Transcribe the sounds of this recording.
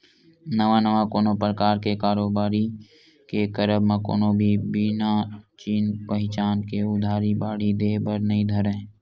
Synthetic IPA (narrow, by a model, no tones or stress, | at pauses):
nəʋanəʋakoːnopɾəkaːɾkekaːɾoːbaːɾi | kekəɾəbmãko̰ːnobʱibiːnat͡ʃiːnpəɦɪt͡ʃaːnkeʊd̪ʱaːɾibaːɽ̤id̪eːbəɾnəɦĩd̪ʱəɾẽ